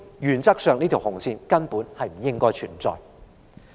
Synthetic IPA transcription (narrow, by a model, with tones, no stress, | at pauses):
jyː˨nt͡sɐ˥k̚sœː˨˧ŋniː˥t̪ʰwhʊ˨˩ŋsiː˧nkɐ˥npuː˨˥nhɐ˨jm̩˨˩jɪ˥ŋkɔː˥jt͡ʃʰyː˨˩nt͡sɔ̰ː˨j